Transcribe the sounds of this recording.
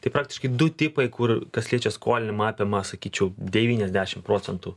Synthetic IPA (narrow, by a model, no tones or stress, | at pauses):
t̪ɐɪpɾɑːk̚tʲɪ̥ʃkɐɪd̪ʊt̪ʲɪpɐɪkʊrkɐsʲlʲiɛt͡ʃʲɛskoːlʲɪnʲɪmɑːpʲemɐsɐkʲiːt͡ʃʲɛʊd̪ʲɛʋʲiːnʲɛzʲd̪ʲæːʃʲɪmpɾoːt͡sʲɛnt̪uː